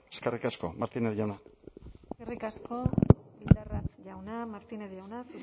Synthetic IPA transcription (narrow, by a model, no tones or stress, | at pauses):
eskerikasko̞maɾt̪ineðʝana | skerikasko̞βild̪aratʝawnamaɾt̪ineðʝawnasu